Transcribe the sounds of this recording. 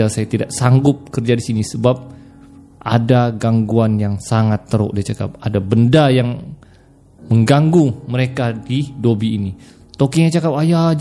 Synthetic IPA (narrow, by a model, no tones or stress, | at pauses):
asajat̪idaʔsaŋɡʊp̚kərd͡ʒadisinisəbap̚ | ʔa̰daɡaŋɡuanjaŋsaŋat̪ːəɾo̰ʔdat͡ʃaka̰p̚adabəndajaŋ | məŋɡaŋɡuməɾekadidobiːni | t̪okiɲat͡ʃakapaja